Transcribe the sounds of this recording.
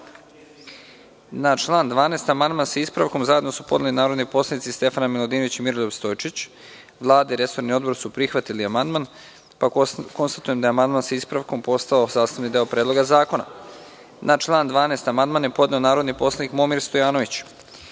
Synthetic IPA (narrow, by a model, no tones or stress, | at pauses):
nat͡ʃlˠaːnd̪ʋaːneːst̪amand̪mansaispɾaʋko̞mzaje̞d̪no̞supod̪elinaːɾo̞d̪nipo̞slˠanit̪ist̪e̞fanamilˠod̪iːno̞ʋit͡ɕimiɾolʲoʋst̪ojt͡ʃit͡ɕ | ʋlˠaːd̪aiɾe̞so̞ɾnio̞d̪bo̞ɾsupɾixʋat̪iliamand̪man | pako̞nst̪at̪uje̞md̪ajeamand̪mansaispɾaʋko̞mpo̞st̪aosaːst̪aʋnid̪e̞opɾeːd̪lo̞ɡazaːko̞na̰ | nʔat͡ʃlˠaːnd̪ʋaːneːst̪amand̪manjepo̞d̪neonaːɾo̞d̪nipo̞slˠanikmomiɾst̪o̞jaːno̞ʋit͡ɕ